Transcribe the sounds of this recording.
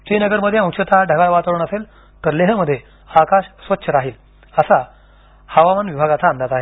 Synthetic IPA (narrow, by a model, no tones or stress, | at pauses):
t͡ɕinəɡəɾməd̪ʱjeə̃w̃ɕət̪ʰaɖʱəɡaɭʋat̪əɭuːɳəsel | t̪əɾleɦəməd̪ʱːje | akaɕsʋətːɕʰəɾaɦiːl | əsa | həʋaʋanʋibʱaɡat̪ãːnd̪ʱat̪aɦe